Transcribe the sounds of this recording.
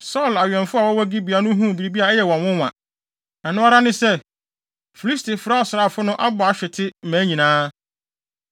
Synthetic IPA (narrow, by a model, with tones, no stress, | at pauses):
sɔ˦˨la˨ɥɛ̃˨nfʊ˦a˨wɔ˦wɔ˦ɡi˦bi˨a˨nʊ̃˦ɦũ˦˨bi˨ɾi˨bi˦a˨ɛ˦jɛ˨wɔ̃˨nwʊ̃˦wã̰˨ | nã˨nʊ̃˦a˦ɾa˦nɪ̃˦sɛ˦ | fi˨li˦stɪ˨fʊ˨ɾa˦˨sʊ˨ɾa˨fʊ˦nʊ̃˦ʔa˦bʊ˨a˨ɕᶣɛ˨tʰɪ˦m̩˨mæ̃ː˨˦ɲĩ˨nãː˦